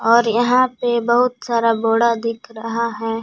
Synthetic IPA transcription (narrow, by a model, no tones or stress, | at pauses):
ɔːɾjɐɦãpebɐɦʊt̪saːɾaboːɽad̪ɪkʰɾɐɦaɦɛː